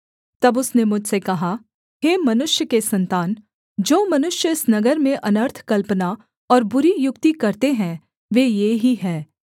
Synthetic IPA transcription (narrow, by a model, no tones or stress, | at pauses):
t̪ɐbʊsnemʊd͡ʒʱsekɐɦa | ɦeːmɐnʊʃjəkesɐ̃nt̪aːn | d͡ʒoːmɐnʊʃjəɪsnɐɡəɾmẽʔɐnəɾt̪ʰkɐlpəna | ɔːɾbʊɾijʊkt̪ikɐɾt̪eɦɛ̃ | ʋeːjeːɦiɦɛː